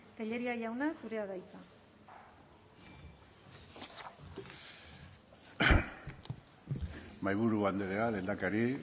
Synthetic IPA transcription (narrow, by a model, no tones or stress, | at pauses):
t̪eʎe̞ɾiaʝawnasuɾe̞aðajt͡sa | majβuɾuβand̪eɾeale̞nd̪akaɾi